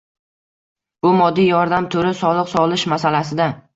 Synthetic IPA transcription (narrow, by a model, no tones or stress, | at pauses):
b̥ʊmɒd̪ːijɒɾd̪amt̪ʰʊɾɪsɒlˠɨqsɒlˠɪʃmasalasɪd̪a